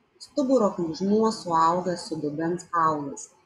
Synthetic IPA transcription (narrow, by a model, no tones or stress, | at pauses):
st̪ʊbʊɾoːkluʒnuɔsʊɑˑʊɡɐsʊd̪ʊbʲɛnsɑˑʊlˠɐs